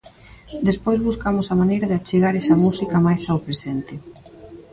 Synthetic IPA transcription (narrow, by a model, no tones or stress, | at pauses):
d̪espojzβuskamʊsamanejɾaðɪat͡ʃeɣaɾɛsɐmusikɐmajsaopɾesent̪ɪ